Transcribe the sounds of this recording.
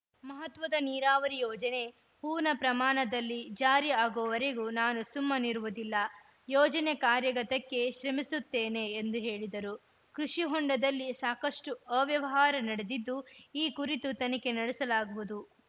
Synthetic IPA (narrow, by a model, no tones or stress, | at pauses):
mɐɦɐt̪ʋɐd̪ɐniːɾaːʋɐɾijɔːd͡ʒɐne̞ | puːɾnɐpɾɐmaːɳɐd̪ɐlːid͡ʒaːɾiaːɡɔːʋɐɾeɡunaːnusumːɐniɾuʋud̪ilːɐ | jɔːd͡ʒɐnekaːɾjɐɡɐt̪ɐkːe̞ʃɾɐmisut̪ːe̞ːne̞ːnd̪uɦe̞ːɭid̪ɐɾu | kɾuʂiɦɔɳɖɐd̪ɐlːisaːkɐʂʈuɐʋjɐʋɐɦaːɾɐnɐɽed̪id̪ːuiːkuɾit̪ut̪ɐnɐke̞nɐɽɛsɐlaːɡuʋud̪u